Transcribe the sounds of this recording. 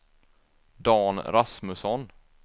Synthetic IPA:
d̪ɑːnɾasmɵsɔn

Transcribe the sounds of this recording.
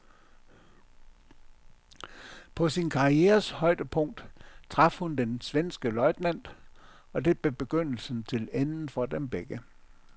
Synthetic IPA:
pʰɒ̽sinkʰɑ̈ieːɐshɒ̽ɪ̰d̥əpʰɔ̽ŋ̰d̥t͡sʰʁɑ̈fhund̥ensʋensɡ̥əlɒ̽ɪ̰d̥næn̰d̥ | ɒ̽d̥e̝b̥e̝b̥e̝ɡ̥øn̰l̩sn̩t͡sʰe̝lenn̩fɒ̽d̥emb̥eɡ̥ə

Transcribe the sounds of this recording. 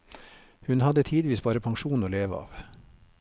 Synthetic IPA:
hʉnhɑd̪ət̪ʰiːd̪ʋiːsbɑːɾəpʰɑŋʃuːn̩oːleːʋəɑ̰ːʋ

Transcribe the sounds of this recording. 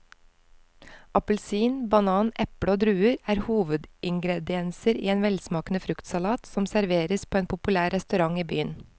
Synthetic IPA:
ʔɑpəlsiːnbɑnɑːnʔɛpɽəoːd̪ɾʉːəɾæːɾhuːʋəd̪ɪŋɡɾɛd̪ɪɛnsəɾḭːeːnʋɛlsmɑːknəfɾʉkt̪sɑlɑːt̪sɔmsæɾʋeːɾəspʰoːeːnpʰʊpʉlæːɾɾɛst̪ʉɾɑŋiːby̰ːən

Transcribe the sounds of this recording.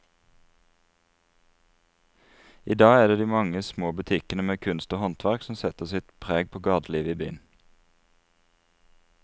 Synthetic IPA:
iːd̪ɑːæːʁd̪eːd̪iːmɑŋəsmoːbʉt̪ʰɪkənəmeːkʰʉnst̪oːhɔnt̪ʰʋæʁksm̩sɛt̪əʁsɪt̪pʰʁeːɡ̚pʰoːɡɑʁd̪liːʋəiːby̰ːn

